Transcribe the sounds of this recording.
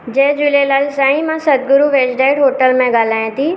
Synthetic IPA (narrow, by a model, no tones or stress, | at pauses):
d͡ʒɛːd͡ʒʊlelaːlsaːĩmãsɐd̪̚ɡʊɾuʋeːd͡ʒɖaːɪɽɦoːʈəlmẽɡaːlaːẽt̪iː